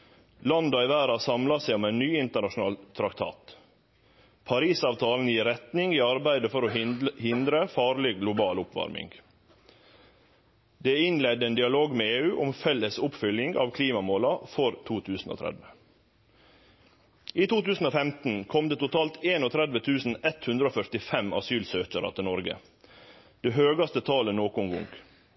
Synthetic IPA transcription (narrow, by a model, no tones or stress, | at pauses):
lɑnd̪ɑɪʋæːɾɑsɑmlɑsæɪʊmæɪnnyːɪnt̪əɳɑʃʊnɑːlt̪ʰɾɑkt̪ʰɑ̰ːt̪ | pʰɑɾiːsɑːʋt̪ʰɑːln̩jiːɾɛt̪nɪŋiːɑɾbæɪd̪əfɔɾoːhɪnd̪ɾəfɑːɾlɪɡlʊbɑːlʊpʋɑ̰ɾmɪ̰ŋɡ | d̪eːɪnlɛd̪əeːnd̪ɪɑloːɡmeːeːʉːʔʊmfɛlːəsʊpfʏlɪŋɡɑ̰ːʋkʰliːmɑmoːlɑfɔɾt̪ʰuːt̪ʰʉːsn̩o̰ːt̪ʰɾɛ̰d̪ʋə | iːt̪ʰuːt̪ʉːsn̩oːfɛmt̪n̩kʰɔmd̪eːt̪ʊt̪ʰɑːlt̪ʰeːnoːt̪ʰɾɛd̪ʋət̪ʰʉːsn̩ɛt̪hʉnd̪ɾəoːfœʈ̪ɪfɛmɑ̰syːlsøːçəɾɑ̰t̪ʰɪlnɔɾɡə̰ | d̪̥eːɦøːɡɑst̪ət̪ʰɑːlənoːkʊŋɡʊ̰ŋɡ